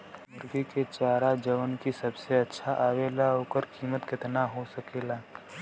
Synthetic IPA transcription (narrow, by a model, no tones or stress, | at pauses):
mʊɾɡiket͡ʃaːɾad͡ʒəʋənkisəbseɐtːʃʰaʔaːʋeːlaɦoːkəɾkiːmət̪kɪt̪naɦosəkeːlaː